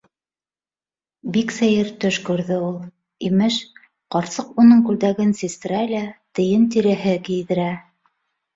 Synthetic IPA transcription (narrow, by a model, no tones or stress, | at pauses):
biksæjɘɾt̪ɵʃkʉɾðɘulˠ | imɘʃ | qɑɾsɤqunɤɴkʉld̪æɡɘnsist̪ɾælʲæt̪ɘ̆jɘnt̪iɾɘ̆ɦɘkijðɘ̆ɾæ